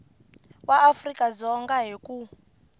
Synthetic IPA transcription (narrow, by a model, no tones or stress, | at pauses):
waʔːfrikʼazɔŋɡaɦiku